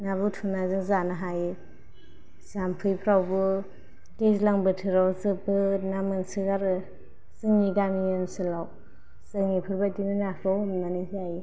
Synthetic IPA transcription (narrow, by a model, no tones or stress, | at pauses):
naβɯtʰunazɯŋzanaɦaji | z̥ampʰɯjpʰɾawbɯ | dezlaŋbɯtʰɯɾawzɯpbɯnamɯnsɯɡaɾɯ | z̥ɯŋiɡamijɯnsɯlaw | z̥ɯŋipʰɯɾbatinɯnapʰahɔmnanizaji